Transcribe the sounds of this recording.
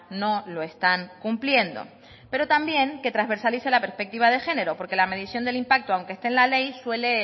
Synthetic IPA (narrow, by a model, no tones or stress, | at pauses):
no̞lo̞e̞st̪aŋkumplje̞nd̪o̞̰ | pe̞ɾo̞t̪ambje̞ŋke̞t̪ɾazβe̞ɾsalise̞lape̞ɾspe̞k̚t̪iβ̞að̞e̞xe̞ne̞ɾo̞po̞ɾke̞lame̞ðisjo̞nd̪e̞limpak̚t̪oawŋkest̪eːnlale̞jswe̞le̞